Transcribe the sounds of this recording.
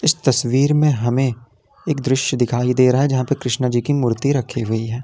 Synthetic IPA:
ɪst̪ɐsʋiːɾmẽɦɐmẽ | eːkd̪ɾɪʃjəd̪ɪkʰaːid̪eːɾɐɦaɛd͡ʒɐɦãpɐkɾɪʃnad͡ʒiːkimʊɾt̪iɾɐkʰiɦʊiɦɛː

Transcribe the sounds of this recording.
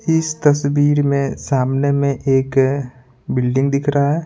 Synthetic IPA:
ɪst̪ɐswiːɾmẽsaːmnemẽʔeːk | bɪlɖɪ̃ŋɡd̪ɪkʰɾaɦaɦɛː

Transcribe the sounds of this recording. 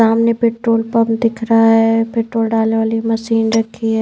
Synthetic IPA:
aːmnepeːʈɾoːlpɐmd̪ɪkʰɾɐɦaɦɛpeːʈɾoːlɖaːleʋaːlimɐʃiːnɾɐkʰːiɦɛː

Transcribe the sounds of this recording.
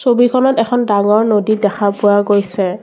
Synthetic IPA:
sobikʰɔnɔtɛxʰɔndaŋɔɹnodidɛxʰapʊaɡojsɛ

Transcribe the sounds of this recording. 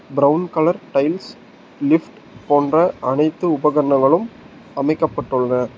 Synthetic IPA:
bɾɐʊnkɐɭɐɾʈɐɪls | lɪfʈ | poːndrɐʔɐnɐɪt̪ːɯʊbɐɣɐɾɐnɐɣɐɭɯm | ɐmɐɪkːɐpːɐʈːɯɭːɐnɐ

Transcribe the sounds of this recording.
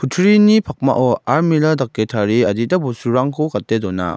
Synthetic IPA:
pʰutʰɾinipʰak̚ma̰ʔɔaɾmiladak̚ːetʰaɾiadidabɔsuɾaŋkʰɔkat̚ːedɔna̰

